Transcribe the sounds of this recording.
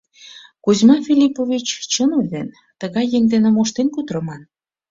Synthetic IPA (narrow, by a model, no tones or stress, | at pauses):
kuzmɑfʲilʲipovʲit͡ɕt͡ɕənud̪en | t̪əɣɑjːeŋd̪enĕmoʃt̪enkud̪ɾə̆mɑn